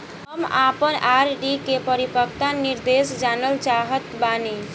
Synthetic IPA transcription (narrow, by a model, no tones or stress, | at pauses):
ɦəmapənʔaɾɖikepəɾipək̚t̪aniɾd̪esd͡ʒanəlt͡ʃaɦət̪bani